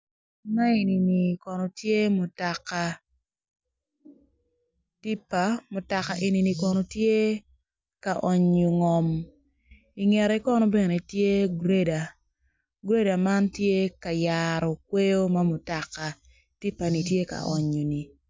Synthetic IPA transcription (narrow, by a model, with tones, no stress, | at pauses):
ma˦e˨ni˨ni˨kɔ˨no˨tje˦mo˨ta˨ka˨ | ti˦pa˨mo˨ta˨ka˨ʔe˨ni˨ni˨kɔ˨no˨tje˦ | ka˨ʔɔ˨ɲo˨ŋɔ˨m | i˨ŋɛ˨ɾi˦kɔ˦nɔ˦be˨ne˨tje˦ɡɾe˦da˨ | ɡɾe˦da˨ma˦ntje˦ka˨jaɾɔ˨k̚we˦jo˦ma˦mʊ˨ta˨ka˨ | ti˦pa˨ni˨tje˦ka̰˨ʔɔ˨ɲo˨ni˨